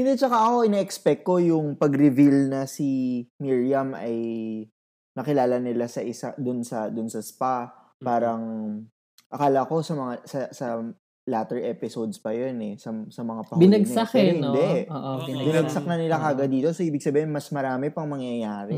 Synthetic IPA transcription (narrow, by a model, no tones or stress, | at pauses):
hɪnd̪ɛt͡ʃɐkaʔɐko̞ʔɪnaːʔɛkspɛk̚kːo̞jʊŋpɐɡɾɪvilnɐsimiɹjɐmɐ̰j | nɐkɪlaːlɐnɪlasɐʔɪsad̪ʊnsɐd̪ʊnsɐspa | paːɾɐŋ | ʔɐkaːlɐko̞sɐmɐŋasɐsɐ | laːt̪ɛɹʔɛpɪsowd̪spɐjonɛsɐsɐmɐŋapɐbɪnɐɡ̪akhɪnd̪ɛoʔobɪnɐɡsɐk̚nɐnɪlakaːɡɐd̪iːt̪o̞soʔiːbɪɡ̚sɐbiːhɪnmɐsmɐɾaːmɛpɐŋmɐŋjɐjaːɾɛ